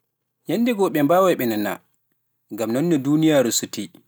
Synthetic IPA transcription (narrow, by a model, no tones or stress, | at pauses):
ɲanːdɛɡɔɓɛmbaːwaɓɛnana̰ | ŋɡamnɔnːɛdunijaɾusuti